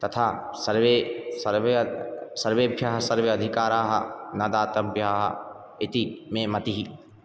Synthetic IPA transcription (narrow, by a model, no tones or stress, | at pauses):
t̪ɐt̪ʰaː | sɐɾʋesɾʋsɐɾʋeːbʱjaːɦɐsɐɾʋeɐd̪ʱɪkaːɾaːɦɐ̰nɐd̪aːt̪ɐbʱjaːɦɐ̰ | ɪt̪imẽmɐt̪iɦi